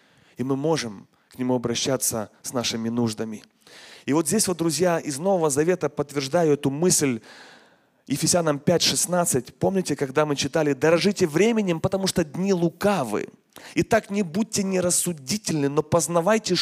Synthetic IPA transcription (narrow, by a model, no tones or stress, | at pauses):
imɨmo̞ʐɨm | knʲɪmuɐbɾɐɕːat̪səsnaʂɨmʲɪnuʐd̪əmʲɪ | ɪvo̞t̪zʲdʲesʲvd̪ɾʊzʲjaɪzno̞vəvəzɐvʲe̞t̪əpət̪vʲɪrʐd̪ajʊɛt̪ʊmɨsʲlʲ | jɪfʲɪsʲanəmpʲætʲʂɨsnat̪sɨtʲpo̞mnʲɪtʲɪkɐɡd̪amɨt͡ɕɪt̪alʲɪd̪ɐɾɐʐɨtʲɪvɾʲemʲɪnʲɪmpət̪ɐmuʂt̪od̪ʲnʲilˠʊkavɨ̰ | it̪aknʲɪbud̚ʲtʲːɪnʲɪɾəsːʊdʲitʲɪlʲnɨno̞pəznɐvajtʲɪ